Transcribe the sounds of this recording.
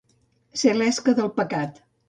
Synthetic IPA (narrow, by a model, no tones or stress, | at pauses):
selɛskəðəlˠpəkat̪